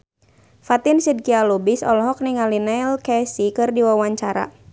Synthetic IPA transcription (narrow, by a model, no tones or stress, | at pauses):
fat̪insid̚kialubisɔ̰lɔɦɔk̚niŋalinɛlkɛsikɨrdiwawaɲt͡ʃaɾa̰